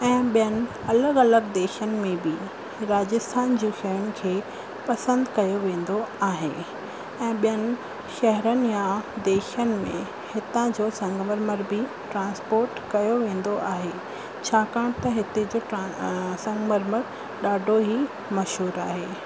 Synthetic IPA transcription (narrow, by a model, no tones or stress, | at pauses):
ɛ̃ːɓijənɪ̆ | ɐləɡɐləɡd̪eːʃənɪ̆mẽbɪ | ɾaːd͡ʑəst̪ʰaːnd͡ʑũːʃɐɦəɽ̃ɪ̆kʰeː | pɐsə̃nd̪kɐjoʋẽːn̆d̪oaːɦe | ɛ̃ːɓijənɪ̆ | ʃɐɦɾənɪ̆jãd̪eːʃənɪ̆mḛ̃ | hɪt̪ãd͡ʑoːsɐ̃ŋɡməɾməɾbʱɪ | ʈɾãːnspoːɾʈkɐjoʋẽːn̆d̪oʔaːɦe | t͡ɕʰaːkãːɽ̃t̪ɐɦɪt̪ed͡ʑoʈsɐ̃ŋɡməɾməɾ | ɗaːɖʱoɦi | mɐʃɦuːɾaːɦeː